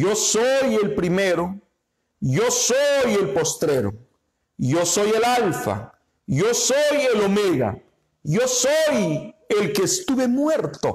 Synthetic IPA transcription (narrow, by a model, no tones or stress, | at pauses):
josoje̞lpɾimeɾo | josoje̞lpo̞st̪ɾeɾo̰ | joso̞je̞lalfa̰ | josojelo̞meɣa̰ | jo̞sojelkeːst̪uβe̞mweɾt̪o̰